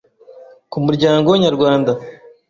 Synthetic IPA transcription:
kumuɾɟaːŋɡoɲaɾɡwaːnd̪a

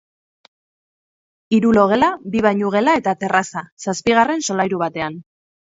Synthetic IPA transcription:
iɾulo̞ɣ̞e̞labiβ̞ajɲuɣ̞e̞lae̞t̪at̪e̞rasasaspiɣ̞are̞nso̞lajɾuβat̪e̞an

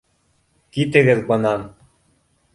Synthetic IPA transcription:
kit̪ɘ̆ɡɘðbɤ̆nɑn

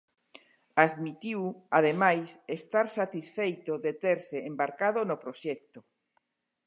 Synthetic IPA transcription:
aðmit̪iwaðemajsest̪aɾsat̪isfejt̪oðet̪eɾseembaɾkað̞onopɾoʃɛk̚t̪o

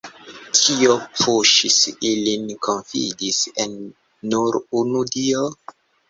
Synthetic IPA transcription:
tʰiopʰuʃisilinkʰonfḭdisenː | uɾunudio

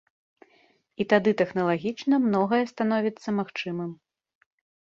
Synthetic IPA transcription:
it̪ad̪ɨt̪ɛxnɐlˠaɣʲit͡ʂnɐmnɔɣɐjɛst̪an̪ɔvʲit̪sːɐmaxt͡ʂɨmɨm

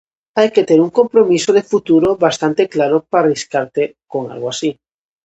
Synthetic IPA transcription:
ajket̪eɾuŋkompɾomisoð̞efut̪uɾoβast̪ant̪eklaɾopariskaɾt̪ekoŋa̰lɣoasi

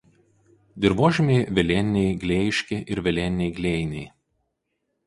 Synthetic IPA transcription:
d̪ʲɪɾʋoːʒʲɪmʲeɪʋʲɛlʲɛnʲnʲɛɪɡlʲeːjɪʃʲkʲeʔɪɾʋʲɛlʲɛnʲnʲɛɪɡlʲeːjnʲɛɪ

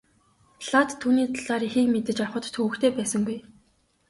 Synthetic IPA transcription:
ɮat̪ʰːuːniːt̪ʰaɮaːɾixiːkmet̪ɘ̆t͡ɕawχə̆t̪t̪ʰxɵwɘ̆kt̪ʰeːpæːsə̆ŋɡuj

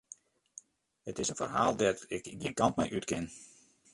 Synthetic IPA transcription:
hətɪsənfə̰rɦa̰ːlˠdɛtɪkdiənkɑntmɛ̰jʔytkɪn

